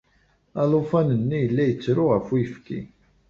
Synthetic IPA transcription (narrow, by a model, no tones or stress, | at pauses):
ælˤofænənːijəlːæjət͡sːɾʊʁəfijəfkḭ